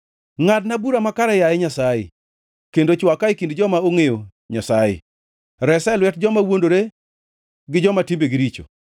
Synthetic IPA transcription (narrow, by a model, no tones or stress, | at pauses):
ŋadnabuɾamakaɾajajɛɲasajḛ | kendot͡ʃwakajkindd͡ʒɔmaoŋejo | ɲasajɪ̰ | ɾɛsɛlwɛtd͡ʒɔmawondoɾe | ɡɪd͡ʒɔmatimbeɡɪɾit͡ʃo̰